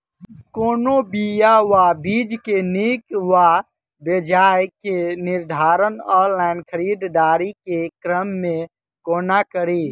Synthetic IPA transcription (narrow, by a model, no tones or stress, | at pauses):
koːnobijaʋabʱid͡ʒkenikʋa | bəd͡ʒajkeniɾd̪ʱaɾənɔɾlaɪnkʰəɾid̪d̪aɾikekɾəmːẽ | konakəɾi